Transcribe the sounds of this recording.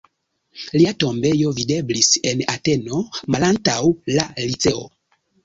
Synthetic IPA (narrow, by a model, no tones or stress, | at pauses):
liato̞mbe̞jo̞vide̞blise̞nate̞no̞malantawlalit͡se̞o̰